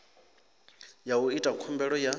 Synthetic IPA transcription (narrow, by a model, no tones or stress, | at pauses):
jauitʼakʰumbɛɺɔja